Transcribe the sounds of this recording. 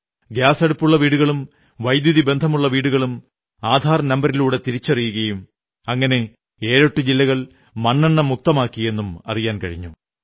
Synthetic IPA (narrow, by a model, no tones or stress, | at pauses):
ɡjaːsɐɽupːuɭːɐʋiːɽuɣɐɭum | ʋɐjd̪juðibe̞nd̪ʱɐmuɭːɐʋiːɽuɣɐɭum | aːd̪ʱaːɾɐnɐmbɐɾiluːɽe̞t̪iɾit͡ɕːɐrijuɣɐjum | ɐŋːɐne̞ | eːɻoʈːud͡ʑilːɐɣɐɭ | mɐnːɐɳːɐmuk̚t̪ɐmaːkːije̞nːumɐ̰rijaːnkɐɻiɲːu